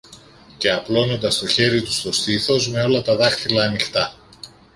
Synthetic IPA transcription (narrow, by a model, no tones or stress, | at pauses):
ce̞ɐplo̞no̞nd̪ɐst̪o̞çe̞ɾit̪u̥st̪o̞st̪iθo̞zme̞o̞lɐt̪ɐðɐxt̪ilɐːnixt̪ɐ